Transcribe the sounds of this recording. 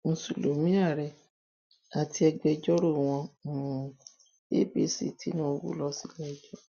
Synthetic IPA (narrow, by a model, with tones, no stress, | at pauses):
n̩˨sṵ˨lo˨mĩ˦a˦˨ɾɛ˨ | a˨ti˧˦ɛ˧ɡ͡bɛ˧d͡ʒɔ˦ɾo˦˨w̃ɔ̃˧˨ | e˦be˦sḭ˨ti˦nã˦wṵ˦lɔ˧˦si˧lɛ˦d͡ʒɔ˦